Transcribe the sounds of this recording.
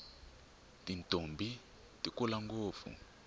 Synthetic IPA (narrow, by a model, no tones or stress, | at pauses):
tintʼombʱi | tikulaŋɡoːp̪fṵ